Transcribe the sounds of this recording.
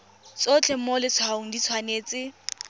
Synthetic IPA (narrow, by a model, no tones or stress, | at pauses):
t͡sʼot͡ɬʰɛmolɪt͡sʰwaʊŋ̩dit͡sʰwaneːt͡sɪ